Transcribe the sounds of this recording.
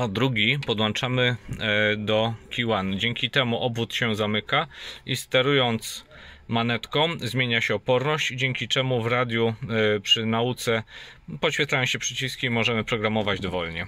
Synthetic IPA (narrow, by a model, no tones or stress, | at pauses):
ɔd̪ɾuɡʲipɔd̪wɔnt͡ʂamɘ | d̪ɔkʲiwand͡ʑɛŋkʲit̪ɛmuʔɔbvut̪ɕɛzamɘkaist̪ɛɾujɔnt̪s | manɛt̪kɔ̃zmʲjeɲaɕɛɔpɔɾnɔɕt͡ɕid͡ʑeŋkʲit͡ʂɛmuvɾad̪ʲjupʂɘnaut̪sɛpɔɕfʲɛt̪lajɔ̃ɕɛpʂɘt͡ɕiskʲimɔʐɛmɘpɾɔɡɾamɔvad͡ʑd̪ɔvɔlɲɛ